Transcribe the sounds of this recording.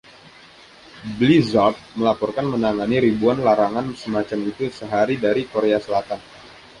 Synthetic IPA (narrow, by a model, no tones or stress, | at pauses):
blizɔrt̪̚məlapɔrkanmənaŋaniɾibuanlaɾaŋansəmat͡ʃamit̪usəɦaɾidaɾikoɾeasəlat̪an